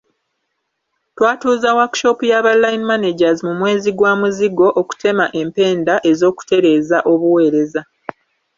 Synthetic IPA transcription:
twaːtuːzawaɾkʃo̞pujaβalajinimaneɟazimumwe̞ːziɡwaːmuziɡo̞ʔoku̥te̞maʔe̞mpe̞ːndaʔe̞zo̞ːku̥te̞ɾe̞ːzaʔo̞βuwe̞ːɾe̞za

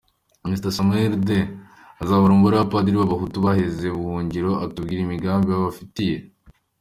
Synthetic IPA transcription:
mistasameɾde | azaβoɾumbuɾaapadiɾiβaβaɦutuβaheze̞βuhuːɲɟiɾo̞ʔatubɡiːɾimiɡaːmbijaβafitije̞

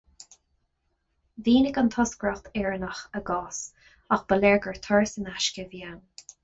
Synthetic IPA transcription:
viːnɪɡənt̪ʰɔskɹɔxt̪ʰɛɹənəxəɡɑːs | axb̥əlɛɹɡəɹt̪ʰɔɹsənaʃkəvjan

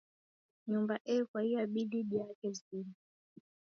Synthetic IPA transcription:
ɲumbaʔɛkwaijaɓiɗiɗijakɛini

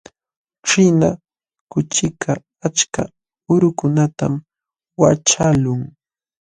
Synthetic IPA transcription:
ʈ͡ʂɪna | kʊt͡ʃɪkʰaː | t͡ʃka̰ | ʊɾʊkʊnat̪a̰m | wat͡ʃalʊŋ

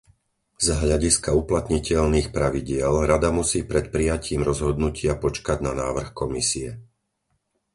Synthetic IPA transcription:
zɦʎaɟiskauplat̪ɲicɛʎniːxpɾaʋiɟɪɛlɾad̪amusiːpɾɛt̪̚pɾijaciːmɾɔzɦɔd̪nucɪapɔt͡ʃkaɟnanaːʋr̩xkɔmisiɛ

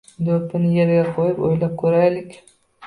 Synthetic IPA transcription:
d̪opʰɪnɪjeɾɡʲaqʰojɪpo̰jlap̚kʲʰɵɾajlɪkʲ

